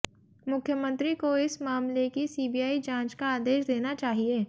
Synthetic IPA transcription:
mʊkʰːjəmə̃nt̪ɾikoɪsmaːmlekisiːbijaːid͡ʒãːt͡ʃkaaːd̪eːʃd̪eːnat͡ʃaːɦieː

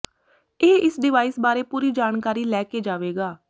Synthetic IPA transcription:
eːʔɪsɖɪʋaːɪsbaːɾeːpuːɾiːd͡ʒaːnkaːɾiːlɛːkeːd͡ʒaːʋeːɡaː

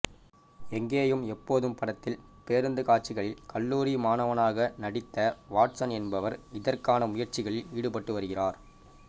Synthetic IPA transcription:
ɛŋɡeːjɯmɛpːoːðɯmpɐɽɐt̪ːɪlpeːɾɯnd̪ɯkaːʈt͡ʃːɪɣɐɭɪlkɐlːuːɾimaːnɐʋɐnaːɣɐnɐɽɪt̪ːɐʋaːʈsɐnɛnbɐʋɐɾɪðɐrkaːnɐmʊjɐɾt͡ʃɪɣɐɭɪliːɽɯpɐʈːɯʋɐɾɯɣɪraːɾ

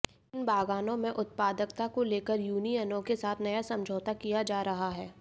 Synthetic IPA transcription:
ɪnbaːɡaːnõmẽʔʊt̪̚paːd̪əkt̪akoleːkəɾjuːniənõkesaːt̪ʰnɐjasɐ̃md͡ʒʱoːt̪akijad͡ʒaːɾɐɦaɦɛː

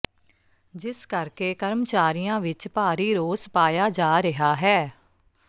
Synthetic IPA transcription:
d͡ʒɪskəɾkeːkəɾmt͡ʃaːɾɪjãːʋɪt͡ʃpaːɾiːɾoːspaːjaːd͡ʒaːɾɪɦaːɦɛː

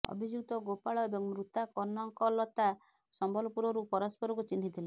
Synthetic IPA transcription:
ɔ̰bʱid͡ʒuɡt̪ɔɡopaɭɔebɔŋmɾut̪akɔnɔŋkɔlɔt̪a | sɔmbɔlɔpuɾɔɾupɔɾɔspɔɾɔkut͡ʃinɦit̪ʰilɛ

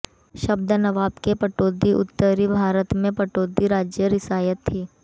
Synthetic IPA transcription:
ʃɐbd̪nɐʋaːbkepɐʈoːd̪iʔʊ̰t̪ːəɾibʱaːɾət̪mẽpɐʈoːd̪iɾaːd͡ʒjəɾɪsaːjət̪ʰːiː

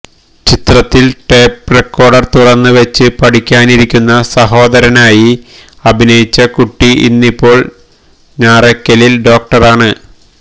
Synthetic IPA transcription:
t͡ɕit̪rɐt̪ːilʈe̞ːp̚rekːo̞ːrɖɐrt̪urɐnːɨʋɐt͡ɕːɨpɐʈikʲːaːniɾikʲːunːɐsɐɦo̞ːd̪ɐɾɐnaːji | ɐbʱinɐjit͡ɕːɐkuʈːiʔḭnːipːo̞ːɭ | ɲaːrɐkʲːɐlilɖo̞ːk̚ʈɐraːɳɨ

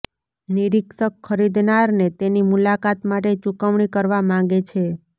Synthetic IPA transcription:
niɾiksəkʰːəɾid̪naɾnet̪enimulakat̪maʈet͡ʃukəʋɳikəɾʋamãŋ̆ɡet͡ʃʰe

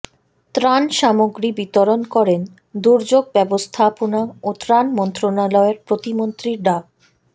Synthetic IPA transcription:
t̪ɾanʃamoɡɾibit̪oɾonkɔɾen | d̪uɾd͡ʑoɡ̚bɛbost̪ʰaponaot̪ɾanmɔnt̪ɾonalɔeɾpɾot̪imont̪ɾiɾɖa

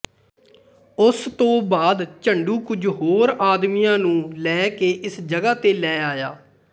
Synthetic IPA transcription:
ʊst̪õːbaːd̪t͡ʃəɳɖuːkʊd͡ʒɦoːɾaːd̪miːjãːnũːlɛːkeːʔɪsd͡ʒəɡaːt̪eːlɛːaːjaː

